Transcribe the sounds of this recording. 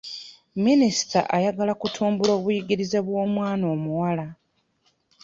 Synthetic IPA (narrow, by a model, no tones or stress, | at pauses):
minisi̥ta̰ʔajaɡalakutʰuːmbulo̞ːβujiɡiɾize̞βwo̞ːmwaːnoːmuwala